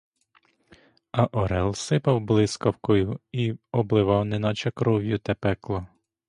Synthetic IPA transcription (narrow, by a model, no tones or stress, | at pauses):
ɐʔɔɾɛlˠsɪpɐwblˠɪskɐwkɔjʊiɔblˠɪʋɑwnɛnɑt͡ʃɐkɾɔwjʊt̪ɐpɛklˠɔ